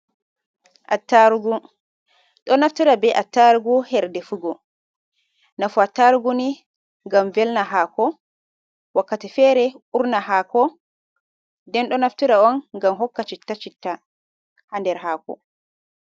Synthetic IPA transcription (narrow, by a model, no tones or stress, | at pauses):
ʔatːaɾuɡu | ɗɔnaftiɾabɛʔatːaɾuɡuhɛɾdɛfuɡɔ | nafuatːaɾuɡuni | ŋɡamvɛlnaɦaːkɔ | wakːatifɛɾɛuɾnaɦakɔ | dɛnɗɔnaftiɾawɔnɡamɦɔkːat͡ʃitːat͡ʃitːa | handɛɾɦaːkɔ̰